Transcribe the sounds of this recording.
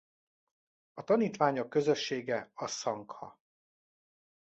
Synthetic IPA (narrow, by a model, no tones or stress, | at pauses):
ɒt̪ɒniːt̪ʋaːɲokːøzø̞ʃːeːɡɛɒssɒŋkhɒ̰